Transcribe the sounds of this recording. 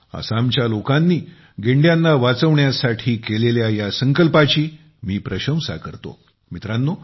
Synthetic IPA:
a̰samt͡ɕjalokanːiː | ɡeɳɖjanːaʋat͡səʋɳjasaʈʰiːkeleljajasəŋkəlpat͡ɕiː | miːpɾəɕə̃msa̰kəɾt̪o̰ | mit̪ɾanːo

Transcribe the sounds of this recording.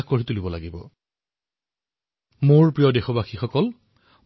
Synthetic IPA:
xkoɹitulibɔla̰ɡibɔ̰ | moɹpɹijɔdexɔbaxixɔkɔl

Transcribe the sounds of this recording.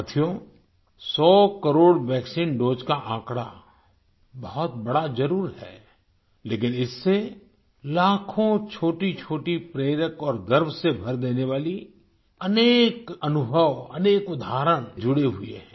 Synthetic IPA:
t̪ʰijõ | sɔːkəɾoːɽʋɛːksiːnɖoːd͡ʒkaʔãːkɽa̰ | bɐɦɔt̪bɐɽad͡ʒɐɾuːɾɦɛ̰ː | leːkɪnɪsːe | laːkʰõt͡ʃʰoːʈit͡ʃʰoːʈipɾeːɾəkɔːɾɡəɾbʱsebʱɐɾd̪eːneʋaːli | ɐneːkɐnʊbʱəʋɐ̰neːkʊd̪ʱaːɾəɽ̃d͡ʒʊɽeɦʊḛɦɛ̃ː

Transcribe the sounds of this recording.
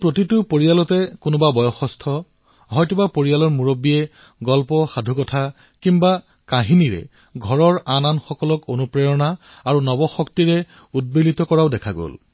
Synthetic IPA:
pɹotitʊpoɹijalɔtɛkʊnɔbabɔjɔxɔstʰɔ | ɦɔjtubapoɹijalɔɹmuɹobiɛ | ɡɔlpɔxadʱukɔtʰa | kimba | kaɦiniɹɛ̰ | ɡʱɔɹɔɹananxɔkɔlɔkonupɹejɔna | aɹunɔbɔxɔktiɹɛ | ud̚bilitɔkɔɹaʊdɛkʰaɡo̰l

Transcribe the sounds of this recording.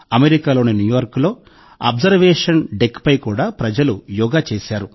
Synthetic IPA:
ɐmeɾikaːlo̞ːninjujuʋɐɾklo̞ː | ɐ̰bzɐɾʋeːʂɐnɖekpɐjkuːɽaːpɾɐd͡ʒɐlujɔːɡaːt͡ʃeːsaːɾu

